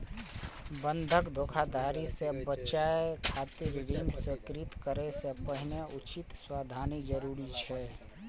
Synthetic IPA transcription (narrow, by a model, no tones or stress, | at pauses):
bə̃nd̪ʱəkd̪ʱoːkʰad̪aːɾisebət͡ʃaekʰaːt̪iɾɪɾiːnsekɾɪt̪kəɾesepəɦɪneʔʊt͡ʃɪt̪swaːd̪ʱaːnid͡ʒəɾuːɾit͡ʃʰɛː